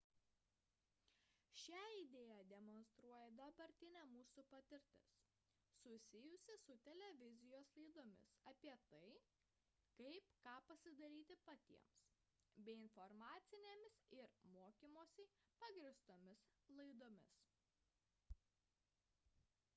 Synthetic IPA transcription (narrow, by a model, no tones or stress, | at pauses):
ʃʲæːɪd̪ʲeːjæd̪ʲɛmɔnst̪ɾuɔjɛd̪ɐbɐɾʲt̪ʲɪnʲæːmuːsuːpɐt̪ʲɪɾʲt̪ʲɪ̰s | sʊsʲɪjʊsʲɪsʊt̪ʲɛlʲɛʋʲɪzʲɪjoːslˠɐɪd̪oːmʲɪ̰sɐːpʲiɛt̪ɐɪ | kɐɪpkɑːpɐsʲɪd̪ɐɾʲiːt̪ʲɪpɐt̪ʲḭɛms | bʲɛɪɪnfɔɾmɑːt̪sʲɪnʲeːmʲɪsɪɾmoːkʲimoːsʲɛɪpɑːɡɾʲɪst̪oːmʲɪslˠɐɪd̪oːmʲɪs